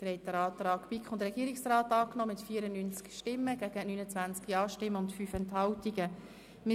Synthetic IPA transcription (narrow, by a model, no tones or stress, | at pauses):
d̥əɾɛtəɾɑːt̪rɑːkpikχʊndəɾɛɡiəɾiksraːtɑːknɔːmɪtfiːəɾənynt͡skʃtɪmːəɡ̥æɡ̥ənyːnət͡svænt͡skiɑːʃtɪmːəʊntfyːfɛnthɑwtiɡə | mɪ